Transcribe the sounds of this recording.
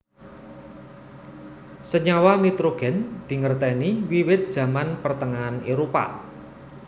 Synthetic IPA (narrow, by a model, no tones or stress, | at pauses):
səɲawanit̪ɾoɡ̥ɛ̤nd̪̥i̤ŋərt̪ɛniwiwɪt̪̚d̥ʒ̥ä̤manpərt̪əŋaːneɾopa̰